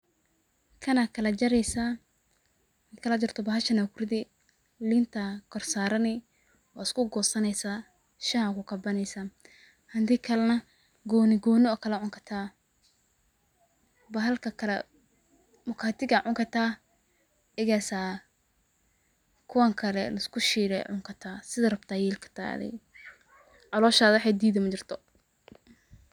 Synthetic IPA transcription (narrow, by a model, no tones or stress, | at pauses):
kʰɐnakʰɐlɐd͡ʒɐɾɛjsa | kʰɐlɐd͡ʒɐrt̪ʰɔbɐɦɐʃɐnakʰʊrd̪ɪ | lɪnt̪ʰakʰɔrsaːɾɐnɪ | waɪskʊɡɔːsɐnɛjsaː | ʃahakʊkɐbɐnɛjsa | hɐnd̪ikʰɐlɐnɐ | ɡɔːnɪɡɔːnɔkʰɐlɐʕʊŋkʰɐ̥t̪ʰaː | bɐɦɐlkʰɐkʰɐlɛ̰ | mʊkʰaːt̪ʰɪɡɐʕʊŋkʰɐt̪ʰaː | ɪɣasaː | kʰʊwaŋkʰɐlɛ̰lɐskʰʊʃiːɾɛ̰ʕʊ̰ŋkʰɐt̪ʰaːsɪðɐrɐbt̪ʰaːjɛːlkʰɐ̥t̪ʰa̰ːðɪ̰ | ʕɑlɔːʃaːðwħɛːd̪iːðɐmɐt͡ʃɪrt̪ʰɔ